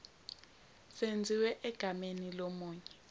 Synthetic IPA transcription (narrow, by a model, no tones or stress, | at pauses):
send͡zʱiwɛʔɛɡ̥ʱamenilomuːɲɛ